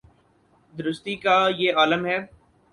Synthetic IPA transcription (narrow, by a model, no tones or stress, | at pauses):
d̪ʊɾʊst̪ikajeːaːləmɦɛː